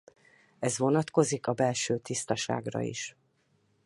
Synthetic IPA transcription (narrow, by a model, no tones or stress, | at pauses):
ɛzʋo̞nɒt̪ko̞zikɒbɛlʃøːt̪ist̪ɒʃa̰ːɡrɒ̰ḭʃ